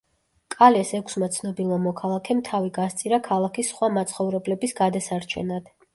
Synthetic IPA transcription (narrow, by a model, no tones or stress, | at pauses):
kʼalɛsɛkʷʰsmat̪sʰnɔbilˠamɔkʰalˠakʰɛmt̪ʰaviɡast̪sʼiɾakʰalˠakʰisːχwamat̪sʰʼχɔvɾɛblɛbisɡ̥ad̪asaɾt͡ʃʰɛ̰nad̪̥